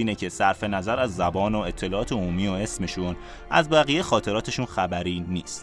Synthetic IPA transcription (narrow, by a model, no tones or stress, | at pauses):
iːnecʰe̞sæɾfe̞næzæɾæzːæbɒːno̞e̞t̪ʰːe̞lɒːɒːt̪ʰe̞omuːmiːoe̞sme̞ʃun | ʔæ̰zbæɣijexɒːt̪ʰe̞ɾɒːt̪ʰe̞ʃunxæbæɾiːniːst̪